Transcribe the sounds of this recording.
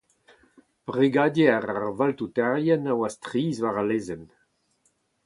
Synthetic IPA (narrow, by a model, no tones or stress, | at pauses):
b̥ʁiɡaːdeaʁaʁvaltutɛʁjɛnawastʁiːzvaʁaleːzɛn